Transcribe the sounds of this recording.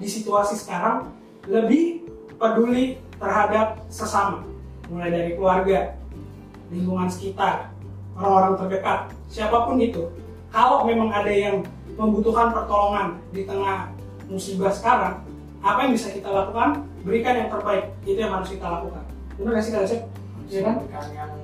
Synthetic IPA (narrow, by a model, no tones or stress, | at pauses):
disit̪uasisə̥kaɾaŋ | ləbɪh | pəduli | t̪ərɦadap̚səsama | mulajdaɾikluarɡa | limbuŋansə̥kit̪ar | oɾaŋoɾaŋt̪ərbəkat̪̚ | siapapʊnit̪u | kalomemaŋadajaŋ | məmbut̪ukanpərt̪oloŋandit̪əŋah | musibahsə̥kaɾaŋ | apajaŋbisakit̪alakukan | bəɾikanjaŋt̪ərbaɪk̚it̪ujaŋɦaɾʊskit̪alakukan | unaɡasidalasa | a